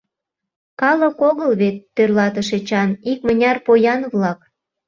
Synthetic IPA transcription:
kɑlə̆koɣəlβet̪ːørlɑt̪ə̆ʃet͡ɕɑnik̚mə̆nʲɑrpojɑnβlɑk

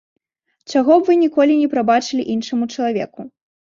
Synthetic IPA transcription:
t͡ʂaɣɔbvɨnʲikɔlʲinʲɛpɾabat͡ʂɨlʲiʔinʂɐmut͡ʂɐlˠavʲɛ̰ku

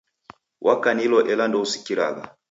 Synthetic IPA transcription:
wʔakanilɔʔɛlandɔusi̥kiɾa̰ɣa̰

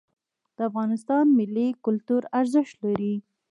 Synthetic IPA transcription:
d̪̥əafɣɑnɪst̪ɑnmɪlːikʊlt̪uɾaɾzəʃt̪laɾi

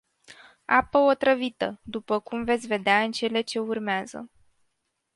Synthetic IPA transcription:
apəo̞t̪ɾəvit̪əd̪upəkumve̞t̪sʲve̞d̪eaɨnt͡ʃe̞le̞t͡ʃe̞urmeazə̰

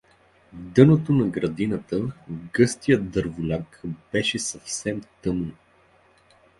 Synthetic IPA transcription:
vd̪ɤnot̪onɐɡɾɐd̪inət̪əɡɤst̪ijət̪d̪əɾvʊlʲakb̥ɛʃɛsɐfsɛmt̪ɤmno

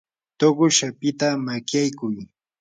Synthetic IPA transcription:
t̪oɢʊʃapɪt̪amakjajkʊj

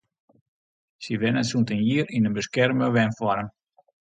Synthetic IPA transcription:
siʋɛnəsuntənjiəɾinənbəskɛrməʋɛnfwɔɾəm

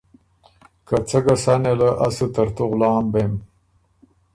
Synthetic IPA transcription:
kat͡səɡasanelaʔasət̪aɾt̪oɣlɑːmbem

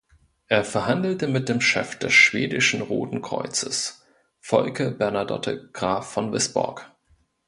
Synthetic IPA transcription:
ʔeːɐfɛɐɦandl̩təmɪt̚d̥eːmʃɛ̰fd̥ɛsʃv̥eːdɪʃn̩ʁo̰ːtn̩kʁ̥ɔ̰ʏt͡səs | fɔ̰lkəbɛɐnadɔ̰tʰəɡ̥ʁaːfːɔnvɪsb̥ɔ̰ɐk

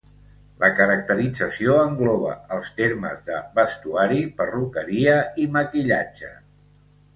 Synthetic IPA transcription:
lʔəkəɾək̚t̪əɾid͡zəsioəŋɡlɔβ̞ə̰əlˠst̪eɾmə̰zðəβəst̪uaɾipərukəɾiəiməkiʎad͡ʒə

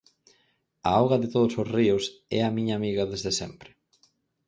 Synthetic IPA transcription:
aawɣɐðɪt̪oðʊsʊsriʊsɛ̰ɐmiɲaːmiɣɐðezðesɛ̰mpɾɪ̥

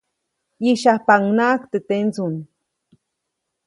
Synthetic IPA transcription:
iʃapaŋnakt̪et̪ent͡sun

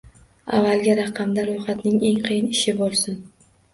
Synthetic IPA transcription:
a̰vːalˠɡʲaɾɑqʰɑmd̪aɾojχat̪nɪŋe̞ŋqʰɨjɪnɪʃɪbolˠsɪn

